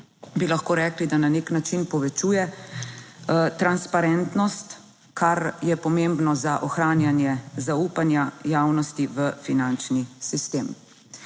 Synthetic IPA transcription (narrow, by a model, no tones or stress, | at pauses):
bilaxkoːɾɛːklid̪ananeknat͡ʃinpɔʋɛt͡ʃujɛ | t̪ɾanspaɾɛnt̪nɔst̪ | kʰaɾjɛpɔmembnɔzaʔɔxɾaːnjanjɛzauːpanjajaːwnɔst̪iʋəfinant͡ʃnisist̪em